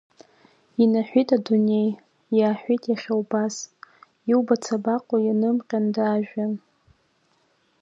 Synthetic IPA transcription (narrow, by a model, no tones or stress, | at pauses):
inaħʷᶣitʼadune̞j | jaːħᶣʷitʼjaχʲawbaz | iwbat͡sʰabaqʷʼojanɨmqʲʼandaːʒᶣan